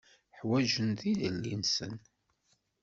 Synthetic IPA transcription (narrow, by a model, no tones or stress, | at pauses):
ħwæʒənðiðəlːinsə̰n